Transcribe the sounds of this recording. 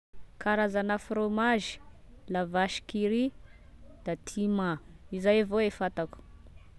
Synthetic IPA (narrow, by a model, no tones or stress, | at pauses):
kʰaɾazanəfromaʒi̥ | lavaʃi̥kiɾi | d̪̥at̪ʰimaizajavoefat̪aku̥